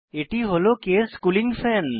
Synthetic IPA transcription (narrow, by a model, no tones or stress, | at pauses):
eːʈiɦolokeskuːlɪ̃ŋɡfʰɛːn